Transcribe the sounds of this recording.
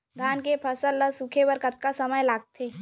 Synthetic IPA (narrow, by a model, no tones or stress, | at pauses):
d̪ʱaːnkepʰəsəlːəsukʰebəɾkət̪̚kasəməjlaːɡ̚t̪ʰeː